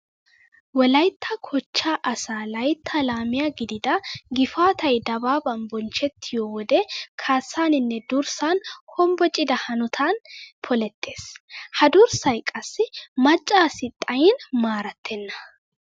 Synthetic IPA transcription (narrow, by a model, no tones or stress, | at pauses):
wɔlɐjt̪ʰːɐkʰɔt͡ʃːaːʔɐsaːlɐjt̪ʰːɐlaːmɪjaɡɪd̪ɪd̪ɐɡɪfaːt̪ʰɐjd̪ɐbaːbɐnbɔnt͡ʃɛt̪ːɪjɔwɔd̪ɛkʰaːsːaːnɪnːɛd̪ʊɾsanhɔmbɔt͡ʃʼɪd̪ɐhɐnʊt̪ʰaːnpʰɔlɛt̪ʰːe̞ːshɐd̪ʊɾsɐjkʼɐsːɪmɐt͡ʃʼːaːsɪt̪ʼːɐjɪnmaːɾɐt̪ʰːɛnːɐ̥